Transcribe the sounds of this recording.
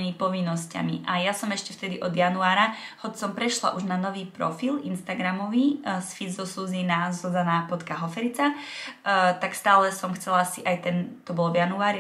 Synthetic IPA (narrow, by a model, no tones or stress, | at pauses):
imipɔʋinːɔsca̰miʔajasɔmɛʃcɛft̪ɛd̪iʔɔd̪januaːɾahɔt͡ssɔmpɾɛʃla̰ʔuʒnanɔʋiːpɾɔ̰filinst̪aɡɾamɔʋisfizzɔsuːzinazɔzanaːpɔt̪kaɦɔfɛɾit͡sa | t̪akst̪aːlɛsɔmxt͡sɛlasiʔajt̪ɛnt̪ɔbɔlvjanuaːɾi